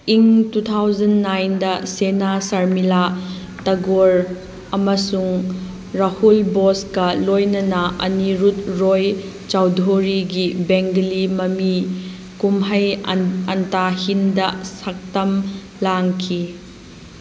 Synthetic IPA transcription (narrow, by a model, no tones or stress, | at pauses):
iŋtut̪ʰawzɐnːajndɐsenasɐɾmila | tɐɡoɾ | ɐmɐsuŋ | ɾahulboskɐlojnɐnɐʔɐ̰niɾut̚ɾoj | t͡ʃawdʱoɾiɡibeŋɡlimɐmi | kumɦɐjɐntahindɐsak̚tɐm | laŋkʰi